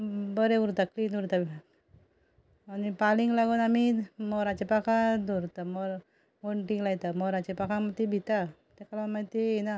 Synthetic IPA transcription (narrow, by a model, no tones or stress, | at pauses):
bəɾeuɾt̪akliːnuɾt̪abʱi | anipaliŋɡlaɡuːnamimɔɾat͡ɕepakʰad̪ɔɾt̪amɔɾ | ʋoɳʈiŋlajt̪amɔɾat͡ɕepakʰamat̪ibʱit̪a | t̪ekalamat̪eena